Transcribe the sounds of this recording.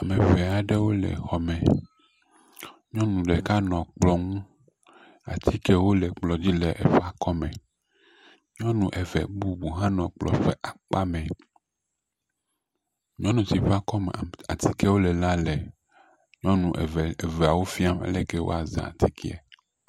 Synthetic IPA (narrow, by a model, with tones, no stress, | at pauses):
a˨mẽ˨vɛ˨a˨ɖɛ˦wo˦lɛ̰˨xɔ˨mɛ̃˨ | ɲɔ̃˦nũ˨ɖɛ˨ka˦nɔ̃˨k͡plɔ˦ŋũ˦ | a̰˨t̪ʰi˦kɛ˦wo˦lɛ˨k͡plɔ˨d͡ʑi˦lɛ˨ʔɛ̰˨ɸa˦kɔ˦mɛ̃˨ | ɲɔ̃˦nũ˨ʔɛ˨vɛ̰˨bu˦bu˨ɦã˦nɔ̃˨k͡plɔ̰˨ɸɛ˦ʔa˨k͡pa˦mɛ̃˨ | ɲɔ̃˦nũ˨si˨ɸa˦kɔ˦m˨a˨t̪ʰi˦kɛ˦wo˦lɛ˨la˦lɛ˨ | ɲɔ̃˦nũ˨ʔvɛ˨a˨wo˦fi˦a˦mɛ̰˦lɛ˦kɛ˦wo̰˦a˨za̰˨t̪ʰi˦kʰi˦ɛ̰˨